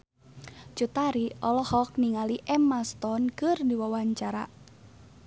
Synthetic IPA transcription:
t͡ʃut̪aɾiʔɔlɔhɔk̚niŋaliʔɛmast̪ɔnkɨrdiwawaɲt͡ʃaɾa

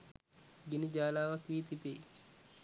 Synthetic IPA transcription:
ɡinəd͡ʒaːlaːʋakʋiːt̪it̪ḛː

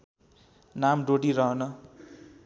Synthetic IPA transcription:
namɖoɽiɾʌɦʌnʌ

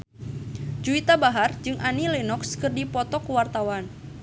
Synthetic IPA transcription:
d͡ʒuit̪abaɦard͡ʒɨŋʔanilenɔkskərdipɔt̪ɔkəwart̪awan

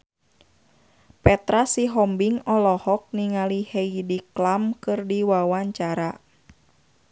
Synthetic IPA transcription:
pɛt̪ɾasiɦɔmbiŋɔlɔhɔk̚niŋalihɛjdiklamkɨrdiwawaɲt͡ʃaɾa

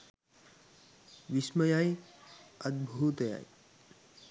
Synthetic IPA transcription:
ʋisməjaj | əd̪̚bʱuːt̪ja̰ːj

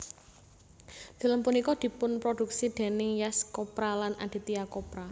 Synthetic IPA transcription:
d̪̥i̤ləmpunikɔd̪̥i̤pʊnpɾod̥̪ṳk̚sid̪̥e̤nɪŋjɛskɔpɾalanʔa̰d̥i̤t̪iakopɾa

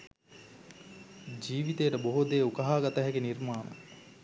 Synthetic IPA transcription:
d͡ʒiːʋit̪ejəʈəboɦud̪eːukɐɦaːɡɐt̪ɐɦɛɡenirmaːnə̰

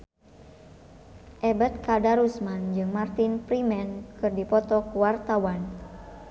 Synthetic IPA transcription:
ʔɛbət̪̚kadaɾusmand͡ʒɨŋmart̪inpɾimɛnkkɨrdipɔt̪ɔkuwart̪awan

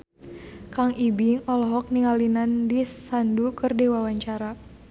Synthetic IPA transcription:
kaŋibiŋɔlɔɦɔk̚niŋalinandisandukɨrdewawaɲt͡ʃaɾa

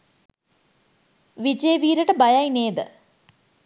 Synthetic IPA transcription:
ʋit͡ɕeːʋiːɾɐʈɐbɐjajineːd̪ɨ

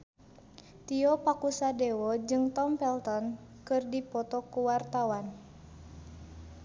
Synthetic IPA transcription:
t̪iɔpakusadɛwɔd͡ʒɨŋt̪ɔmpɛlt̪ɔnkɨrdipɔt̪ɔkuwart̪awan

